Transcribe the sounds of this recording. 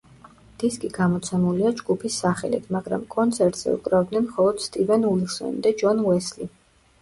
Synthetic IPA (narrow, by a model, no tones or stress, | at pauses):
d̪̥iskʼiɡamɔt̪sʰɛmuliad͡ʒɡupʰisːaχɛ̰lḭt̪ʰmaɡɾa̰mkʼɔnt̪sʰɛɾt̪ʼz̥ɛ̰ṵkʼɾavd̪nɛnmχɔlˠɔd̪̥st̪ʼivɛnulisɔ̰nd̪ad͡ʒɔnwɛsli